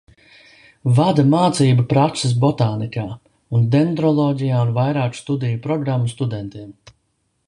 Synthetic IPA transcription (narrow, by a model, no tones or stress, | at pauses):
vad̪amaːt̪siːbapɾakses̬bɔt̪aːnikaː | und̪ɛnd̪ɾɔlˠɔːɟʲijaːunvajɾaːkst̪ud̪ijupɾɔɡɾamːust̪ud̪ɛnt̪iɛm